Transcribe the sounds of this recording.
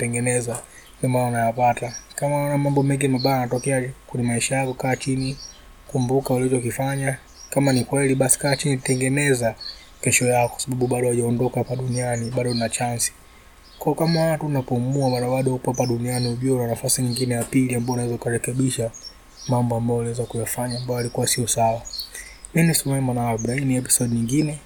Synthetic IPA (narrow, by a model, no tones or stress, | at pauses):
tɛŋɡɛnɛza | vimanaunajapatakamaɔnamambɔmɛŋɡimaɓajanatɔkɛakwɛɲɛmaiʃajakɔkaːt͡ʃini | kumbukaulit͡ʃɔkifaɲa | kamanikwɛliɓasi̥kaːt͡ʃinitɛŋɡɛnɛza | kɛʃɔjakwasaɓaɓuɓaɗɔwaʄaɔndɔkapaɗunianiɓaɗɔnat͡ʃansi̥ | kɔːɔkamawatunapɔmuawaɾawaɗɔupapaɗunianiuʄɔlanafasiɲiŋɡinɛjapiliambaɔunawɛzaukaɾɛkɛɓiʃa | mambɔambajɔliwɛzakujafaɲaːmbajɔalikuwasiɔsawa | minisumɛmanaɓɾainiɛpi̥sɔɗiɲiŋɡinɛ